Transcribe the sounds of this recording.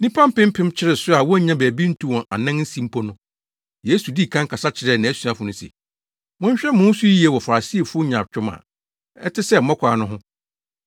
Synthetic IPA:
nĩ˦pʰã˦m̩˦pɪ̃˦m̩˦pʰɪ̃˦m˦t͡ɕʰɪ˦ɾɪ˨sʊ˦a˨wɔ˦˨˦ɲã˦bæː˨bi˦n̩˦tʰũ˦wɔ̃˨ʔa̰˨nã˦nn̩˦sĩ˦m̩˦pʰo˦nʊ̃˦ | je˨˦su˨di˦˨kʰã˦ŋ̩˦kʰa˨sa˦t͡ɕʰɪ˨ɾɛ˨nã˨æ˦su˨ã˦fʊ˨nʊ̃˦sɛ̰˨ | mʊ̃˦ɲ˦ɕᶣɛ˦mʊ̃˦n̩˦sʊ˦ji˨˦e˦˨wɔ˨fa˨ɾa˨si˦e˨fʊ˦o˦ɲã˨t͡ɕᶣʊ̃˦mã̰˨ | ɛ̰˦tɪ˦sɛ˦˨m̩˨mɔ˦kʷʰaː˨nʊ̃˦ɦʊ̃˦

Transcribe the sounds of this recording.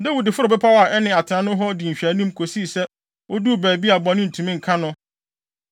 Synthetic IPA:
dɛ˦wu˨dɪ˨fʊ˦ɾʊ˨bɛ˦pʰa˦wa˨ʔɛ˦nɪ̃˨a˨tʰɪ˨nã˦nʊ̃˦ɦɔ˦di˨m̩˨ɕᶣæ˨˦nũ˦mkʰo˨si˦˨sɛ˦ | o˦du˦˨bæː˨bi˦a˨bɔ̃˨nʊ̃˦n̩˨tʰũ˨mĩ˦ŋ̩˨kʰã˦nʊ̃˦

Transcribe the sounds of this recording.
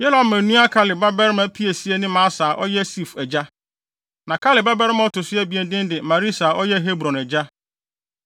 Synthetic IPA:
jɛ˦lã˨mmæ̃˨nũ˦a˦kʰa˦lɪ˨ba˦bɛ˦ɾmã˨˦pʰi˦e˨si˦ɛ˦nɪ̃˦mã˨˦saː˨ʔɔ˦jɛ˦si˦˨fɛ˨d͡ʑa˦ | nã˨kʰa˦lɪ˨ba˦bɛ˦ɾɪ˦mã˦ɔ˦tʰʊ˨sɪ˦ɛ˦bi˨ɛ˨n˦dɪ̃˦n˦dɪ˨mã˨ɾi˦saː˨ʔɔ˦jɛ˦ɦe˦bɾɔ̃˨nɛ˨d͡ʑa˦

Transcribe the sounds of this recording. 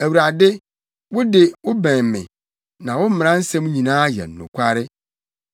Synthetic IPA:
æ˨wu˨ɾa˨dɪ˦ | wʊ˦dɪ˨wʊ˦bæ̃˨m˨mɪ̰̃˨ | nã˨wʊ˦m̩˦m̃˨ɾã˦n̩˦sɛ̃˦m˦ɲĩ˨nãː˦jɛ̰˨n̩ː˨ʊ̰̃˨kʷʰa˦ɾɪ˦

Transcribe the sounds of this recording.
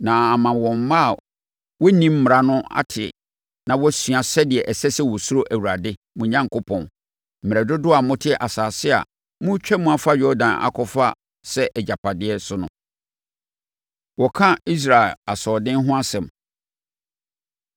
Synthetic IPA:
nã˨a˨mã˨wɔ̃˨m˦mã˦˨ | wɔ˦nĩ˦m̩˦m̩˨ɾa˦nʊ̃˦a̰˦tʰɪ˨ | nã˨wɔ˦sɥa˨sɛ˦dɪ˨ɛ˨ʔɛ˨sɛ˦sɛ˦wɔ˨su˦ɾo˦ʔæ˨wu˨ɾa˨dɪ˦ | mũ˨ɲã˦ŋ˨kʰʊ˦pʰɔ̃˨n | m̩˨m˨ɛ˨dʊ˦dʊ˦a˨mʊ̃˦tʰɪ˦ɛ˨ʔa˨saː˨sɪ˦a̰˨ | mũ˦t͡ɕᶣʰɛ˦mũ˦a˨fa˦ɥɔ˦dã˨na̰˨kʰɔ˦fa˦ | sɛ˦ʔɛ˨d͡ʑa˨pʰa˨dɪ˦ɛ˦sʊ˦nʊ̃˦ | wɔ˨kʰã˦i˦s̬ɾa˨ɪ˨la˨sɔː˨dɪ̃˦n˦ɦʊ̃˦a˦sɛ̃˨m

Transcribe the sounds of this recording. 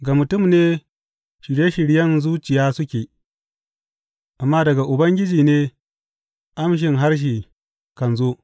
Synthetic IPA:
ɡaː˨mʊ˨tʊ˦˨mneː˦ | ʃɪ˨ɽje˦ʃɪ˨ɽjɐ˦nzuː˦t͡ʃɪ˨jaː˦sʊ˦kʲeː˨ | ʔa˨mːaː˦dɐ˨ɡa˨ʔʊ˨bɐ˦ŋɡʲɪ˦d͡ʒiː˨neː˦ | ʔa˦mʃ̬ɪ˨ŋɦa˦rʃ̬iː˨ | kɐ˨nzoː˦ʔ

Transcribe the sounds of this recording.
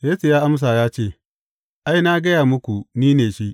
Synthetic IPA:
jeː˦su˨jaː˦ʔa˦ms̬aː˨jaː˦t͡ʃeː˦˨ | ʔa˦jna˦ɡɐ˦jaː˨mʊ˦kʷu˨niː˦neː˨ʃi˦ʔ

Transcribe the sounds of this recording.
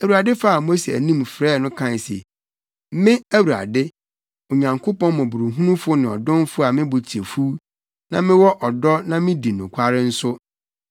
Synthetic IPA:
æ˨wu˨ɾa˨dɪ˦fa˦a˨mo˦se˨æ̰˨nĩ˦mfɾɛː˦˨˦nʊ̃˦kʰã˦n˨sḛ˨˦ | mɪ̃˦æ˦wu˨a̰˨dɪ˦ | o˨ɲã˨ŋkʰʊ˦pɔ̃˦n˦mɔ̃˨bu˨ɾu˨ɦũ˦nʊ̃˦fʊ˦nɪ̃˨ɔ̰˨dʊ̃˦n˦fʊ˦a˨mɪ̃˦bʊ˨t͡ɕʰi˨e˨fu˦ | nã̰˦mɪ̃˦wɔ˦ʔɔ˨dɔ˦nã˦mɪ̃˦di˨nʊ̃˨kʷʰa˦ɾɪ˦n̩˦sʊ˦

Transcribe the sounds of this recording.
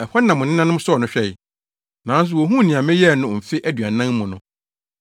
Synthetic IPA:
ɛ˨hɔ˦nã˨mʊ̃˨nɪ̃˦nã˦nʊ̃˦m˦sɔ˦ɔ˨nʊ̃˦ɕᶣɛ˦˨ | nã˨˦n˦s̬ʊ˨wo˨ɦũ˦˨nĩ˨ã˨mɪ̃˦jɛ˦˨nʊ̃˨m̩˨fɪ˦ʔæ˦dɥa˨nã˦ŋ˦mʊ̃˨nʊ̃˨

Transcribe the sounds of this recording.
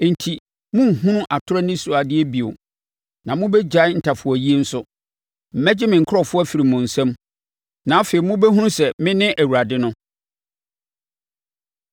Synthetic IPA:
n̩˨tʰi˨ | mʊ̃˦˨ɦũ˦ʔa˨tʰʊ˦ɾɛ˦nɪ̃˦su˨a˨dɪ˦ɛ˦bi˨o̰˨ | nã˨mʊ̃˦bɛ˦d͡ʑa˨˦n̩˨tʰa˨fʊ˨ɔ˨ji˦e˦n̩˦sʊ˦ | m̩˨mɛ˦d͡ʑɪ˦mɪ̃˨ŋ̩˨kʰʊ˦ɾɔ˨fʊ˦ɔ˦fi˨ɾi˨mʊ̃˨n̩˨sɛ̃˦m | nã˨˦a˦fe˨i˨mʊ̃˦bɛ˦ɦũ˦ɾ̃sɛ˨mɪ̃˦nɪ̃˦ʔæ˨wu˨ɾa˨dɪ˦nʊ̃˦

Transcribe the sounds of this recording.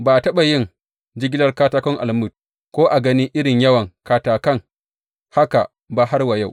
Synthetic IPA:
baː˨ʔa˨tɐ˦ɓa˨jɪ˦ŋ | d͡ʒɪ˦ɡʲɪ˦lɐ˦rkaː˦taː˦kɔ˦ŋʔa̰˨lmʊ˦˨t̚ | kʷoː˦ʔa˨ɡɐ˦niː˦ʔɪ˦ɽɪ˨ɲjɐ˦wɐ˨ŋkaː˨taː˨kɐ˦˨ŋ | ha˦ka˨ | ba˨ɦa˦rwa˨ja˦˨w

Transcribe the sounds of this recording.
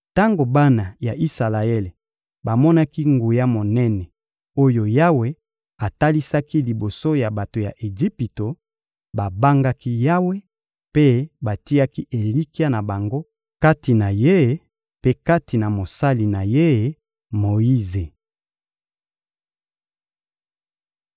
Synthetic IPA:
ta˦ŋɡo˨ba˦na˨ja˨ʔi˦sa˨la˨e˦le˨ | ba˨mɔ˦na˦ki˦ŋɡu˨ja˦mo˨nɛ˦nɛ˨ | o˦jo˨ja˦we˦ | a˨ta˦li˦sa˦ki˦li˨bo˨so˦ja˨ba˨to˨ja̰˨ʔe˨ʒi˦pi˨to˨ | ba˨ba˦ŋɡa˦ki˦ja˦we˦ | pe˦ba˨ti˦ja˦ki˦ʔe˨li˦ki˦a˦na˨ba˨ŋɡo˦ | ka˦ti˨na˨je˦˨˦ | pe˦ka˦ti˨na˨mo˨sa˦li˨na˨je˦˨˦ | mo˨i˦ze˨

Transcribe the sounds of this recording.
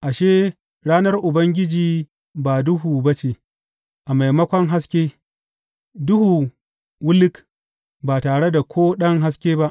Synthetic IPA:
ʔa˨ʃeː˦ | ɽaː˦nɐ˦rʔʊ˨bɐ˦ŋɡʲɪ˦d͡ʒiː˨ | baː˨dʊ˦ɦuː˨bɐ˦t͡ʃeː˨ | ʔa˨ma˨jmɐ˦kʷɔ˦ŋɦa˦skʲeː˦ | dʊ˦hu˨ | wʊ˦lɪ˦k | baː˨taː˨ɽe˦da˨kʰʷoː˦ɗɐ˦ŋɦa˦skʲeː˦ba˦ʔ

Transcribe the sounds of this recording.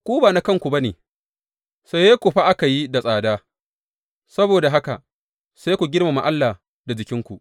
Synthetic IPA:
kʷoː˦baː˨na˦kɐ˦ŋkʷu˨ba˦nḛː˨ | sa˦jːe˦kʷu˨ɸa˦ʔa˦ka˨ji˦da˨sʼaː˨daː˦ | sɐ˦boː˨da˨ɦa˦ka˨ | sa˦jkʷu˨ɡʲɪ˦rma˨ma̰˦˨ʔa˦lːaː˨ | da˨d͡ʒɪ˨kʲɪ˦ŋkʷu˨ʔ

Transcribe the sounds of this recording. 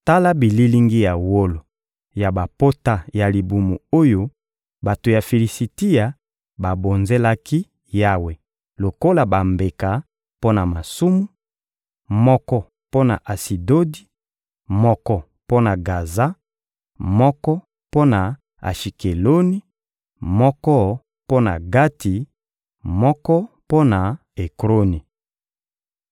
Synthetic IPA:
ta˦la˦bi˨li˦li˦ŋɡi˦ja˨wo˦lo˨ | ja˨ba˨po˦ta˦ja˨li˨bu˨mu˨o˦jo˦ | ba˨to˨ja˨fi˨li˨si˨ti˦ja˨ | ba˨bo˨nze˦la˦ki˦ | ja˦we˨ | lo˨ko˦la˨ba˨mbe˨ka˨ | po˦na˨ma˨su˦mu˦ | mɔ˦kɔ˦ | po˦na̰˨ʔa˨si˨do˦di˦ | mɔ˦kɔ˦ | po˦na˨ɡa˨za˦ | mɔ˦kɔ˦ | po˦na˨ | a̰˨ʃi˨ke˨lo˦ni˦ | mɔ˦kɔ˦ | po˦na̰˨ɡa˦ti˨ | mɔ˦kɔ˦ | po˦na˨ | e˨kʁo˦ni˨

